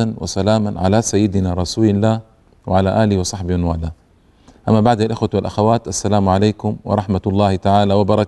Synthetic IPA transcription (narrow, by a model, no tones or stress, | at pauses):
anwa̰salaːmanʕa̰lasajːɪd̪ɪnaɾˤɑsuːlɪlːaːh | wɪʕalaʔaːlɪwɪsˤɑħbɪɪnwaːlaː | ʔamːabaʕd̪alʔɪxwat̪walʔaxawaːt̪ʔasːalaːmʕalajːkʊmwɑ̰ɾˤɑħmat̪lˤːɑːhɪt̪aʕaːlawɑbɑɾˤɑk